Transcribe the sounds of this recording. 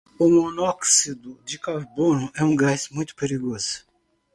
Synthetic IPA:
ʊmonɔksid̪ʊd͡ʒ̪ɪkaɾbonʊʔɛũɡasmũj̃t̪ʊ̥peɾiɡoz̥ʊ̥

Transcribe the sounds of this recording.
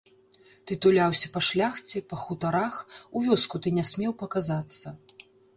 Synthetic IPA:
t̪ɨt̪ulʲawsʲɐpɐʂlʲaxt͡sʲɛpɐxut̪aɾaxuvʲɔskut̪ɨnʲɛsʲmʲɛwpɐkazat̪sːɐ

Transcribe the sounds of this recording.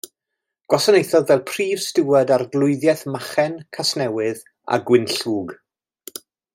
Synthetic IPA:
ɡ̥wɔsənejθɔðvɛlˠpʰriːv̥stɪwɛdarɡlˠʊɨðjɛθmaχɛnkʰasnɛwɨð | a̰ɡwɪnɬuːɡ

